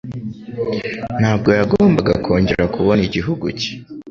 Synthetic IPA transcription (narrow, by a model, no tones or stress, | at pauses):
n̥haːb̚ɡo̞jaɡoːmbaɡakʰo̞ːɲɟe̞ɾɾakuβo̞niɟiɦuɡṵce̥